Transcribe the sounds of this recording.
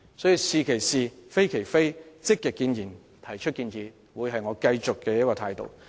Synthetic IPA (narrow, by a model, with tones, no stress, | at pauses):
sɔː˨˥jiː˧siː˨kʰe˨˩jsiː˨fe˥jkʰe˨˩jfe˥jt͡sɪ˥kːɛ˨kːiː˧njiː˨˩n | t̪ʰɐ˨˩jt͡ʃʰɵ˥t̚kiː˧nsiː˨˧ | wuː˨˧jɦɐ˨jŋɔː˨˧kɐ˧jt͡sʊ˨kːɛː˧jɐ˥kːɔː˧t̪ʰaː˧jt̪o̰˨w